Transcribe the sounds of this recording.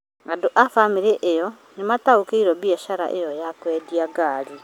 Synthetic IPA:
ɡadoʔafamiɾeʔejɔ | nemataokeiɾɔbiɛʃaɾa̰ʔejɔjakwɛːdiaɡaːɾi

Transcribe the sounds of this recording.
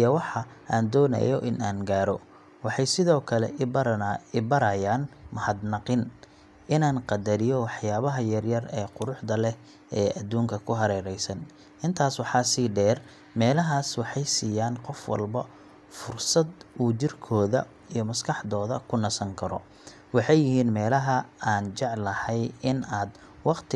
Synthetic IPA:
ʔjɐwɑħɑʔaːnd̪ɔːnɐ̰jɔʔɪnaːnɡaːɾɔ | wɑħɑjsɪðɔːkʰɐlɛ̰ | ɪbɐɾɐjaːnmɐhɐd̪nɑqɪn | ɪnaːnqɑd̪ɐɾɪjɔwɑħjaːβɐɦɐjɐrjɐrɛːqʊɾʊħd̪ɐlɛ | ɛːʔɐd̪uːŋkʰɐkʰʊɦɐɾɛːɾɛjsɐn | ɪnt̪ʰaːswɑħɑːsiːɖɛːr | mɛːlɐɦaːswɑħɑjsiːjaːnqɔfwɑ̰lbɐ | fʊrsɐd̪ʔuːt͡ʃɪrkʰɔːðɐ̰ | ijɞmɐskʰɑħd̪ɔːðɐkʰʊnɐsɐŋkʰɐɾɔ̰ | wɑħɑjɪɦiːnmɛːlɐɦɐaːnt͡ʃɛʕlɐhɛjɪnaːd̪ | wɑqt̪ʰɪ

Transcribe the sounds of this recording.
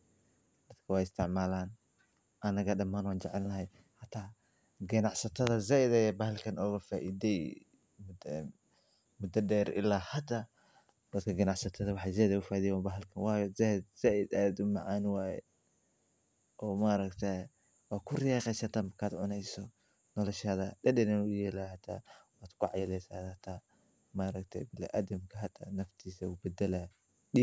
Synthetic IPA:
d̪ɐd̪kʰɐwɑːjɪst̪ʰɪʕmaːlaːn | ʔɐnɐɣɐɖɐmaːnwɑːnt͡ʃɛʕɛlnɐɦɛj | ħat̪ʰaː | ɡɐnɑʕsɐt̪ʰɐðɐzɛʔɪd̪ɐjɛbɐhɐlkʰɐnɔːɣɐfaːʔiðɛj | m | mʊd̪ɐɖɛːɾʔɪ̰laːhɐd̪a | d̪̥ɐd̪kʰɐɡɐnɑʕsɐt̪ʰɐðɐwɑħɑzɛhðɐʊfaːðijwabɐɦɐlkʰɐnwaːjɔzɛhd̪zaʔɪd̪aːd̪ʊmɐʕaːnɪwaːjɛ̰ | ʔɔːmaːɾɐkt̪ʰa | wɑːkʰʊrɪjɑːqɛjsɐt̪ʰamɐkʰaːd̪ʕʊnɛjsɔ | nɔlɔʃɐðɐɗɛɗɛnɛnujɛːlahɐt̪ʰa̰waːd̪̥kʰʊʕɑjɐlɛjsa̰ːhɐt̪ʰa | maːɾɐkt̪ʰɛ̰bɪl̰ʔa̰ːd̪ɐmkʰɐɦɐt̪ʰa̰nɐft̪ʰiːsɐubɐd̪ɛla | ɗi

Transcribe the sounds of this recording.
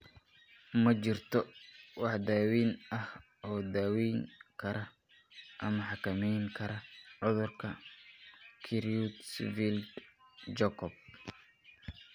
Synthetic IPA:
mɐt͡ʃɪrt̪ʰɔwɑħd̪aːwiːnɐh | ʔɔːd̪aːwijŋkʰɐɾɐ | ʔɐmɐħɑkʰɐmɛjŋkʰɐɾɐʕʊðʊrkʰɐ | kʰiɾiut̪svild̪d͡ʒɛkʰɔb̚

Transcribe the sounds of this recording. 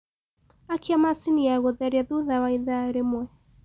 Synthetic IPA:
akiamasiniaɣoðɛɾjaðuðawaiðaɾemwɛ

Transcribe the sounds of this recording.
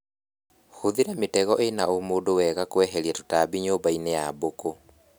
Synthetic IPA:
hoðiɾɛmetɛɣɔʔenaomoːdowɛɣakwɛɦɛɾiɛto̥taːbiɲoːbainejaboko

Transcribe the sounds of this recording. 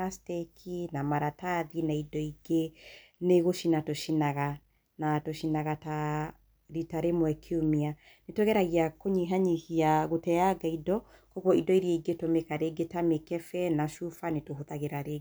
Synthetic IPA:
astɛkʰinamaɾataðinaidɔiɡe | neɣoʃinatoʃinaɣa | natoʃinaɣata | ɾitaɾemwɛkʰiumia | netoɣɛɾaɣiakoɲiɦaɲihiaɣotɛjaɡaidɔ | kɔɣwɔidɔiɾiaiɡetomekaɾeɡetamekɛfɛnaʃufanetoɦotaɣeɾaɾe

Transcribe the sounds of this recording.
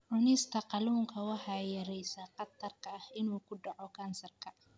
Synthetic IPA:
ʕʊnɪst̪ʰɐqɑluːŋkʰɐwɑħɑːjɐɾɛjsaːqɑt̪ʰːɐrkʰɐːhɪnuːkʰʊɖɑʕɔkʰaːnsɐrkʰɐ

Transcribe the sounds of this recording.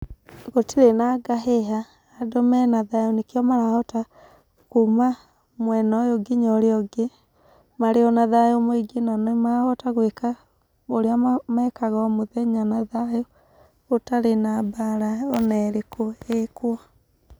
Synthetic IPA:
ɣotiɾenaɡaɦeɦaː | domɛnaðajonekjɔmaɾaɔta | kuma | mwɛnɔjoɡiɲɔɾeɔɡe | maɾeɔnaðajomoeɡenanɔmaɣɔtaɣweka | oɾeamɛkaɣɔmoðɛɲanaðajo | otaɾenabaɾaɔnɛɾekʰoekwa

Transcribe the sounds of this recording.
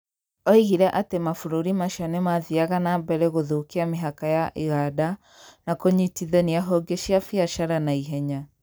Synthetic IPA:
ɔiɣiɾɛʔatemafuɾuɾimaʃɔnemaðiaɣanabɛɾɛɣoðukiameɦakajaʔiɣada | nakoɲitiðɛniaɦɔɡeʃiafiaʃaɾanaiɦɛɲa

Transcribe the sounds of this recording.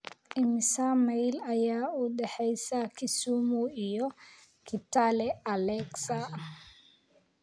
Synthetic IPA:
ʔɪmɪsamɛjlɐjaːuːɖɛħɛjsɐkʰɪsuːmuijɔ | kʰɪt̪ʰalɛɐlɛksɐ

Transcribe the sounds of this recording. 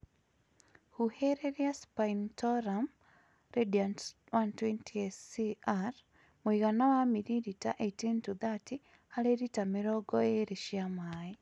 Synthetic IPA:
huheɾeɾiaspaintɔɾam | redian | wantwentʰiesiaɾ | moiɣanawamiɾiɾita̰ʔetintud̪ati | haleɾitameɾɔɡɔeɾeʃiamai

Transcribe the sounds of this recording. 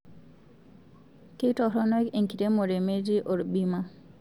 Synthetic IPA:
kejtɔɦɾɔnɔkeŋkʰiɾemoɾemeɾiʔoɾbima

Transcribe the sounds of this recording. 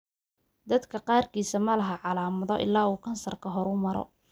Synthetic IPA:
d̪ɐd̪kʰɐqɑːrkʰiːsɐmɐlɐɦɐʕɑlaːmɐðɔʔɪ̰lːaːuːkʰɐnsɐrkʰɐɦɔɾʊmɐɾɔ̰

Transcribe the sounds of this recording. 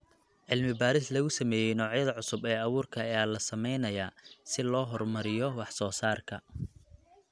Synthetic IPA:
ʕɪlmɪbaːɾɪslɐɣʊsɐmɛːjɛjnɔːʕjɐðɐʕʊsʊbɛːɐβuːrkʰɐɐjaːlɐsɐmɛjnɐjaːsɪlɔːɦɔrmɐɾɪjɔwɑħsɔːsaːrkʰɐ

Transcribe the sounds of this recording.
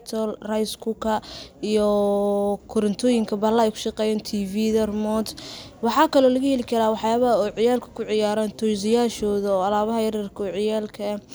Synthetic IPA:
t̪ʰɔlrajskʰukʰɐijɔ | kʰʊɾɐnt̪ʰɔːjɪŋkʰɐbɐlɐɛjkʰʊ̥ʃɑqɛːjɛːnt̪ʰiːviːd̪ɐrmɔːd̪wɑħɑːkʰɐlɔːlɐɣɐjɛlɪkʰɐɾaːwɑħjaːβɐɦɐɔːʕɪjaːlkʰɐ̥kʰʊʕɪjaːɾaːnt̪ʰɔsɪjaːʃɔːðɐːɐlaːβɐɦɐjɐɾɐrkʰɐʕɪjaːlkʰɐ

